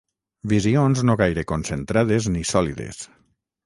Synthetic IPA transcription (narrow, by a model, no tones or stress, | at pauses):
bizionznoɣajɾekonsent̪ɾaðeznisɔliðḛs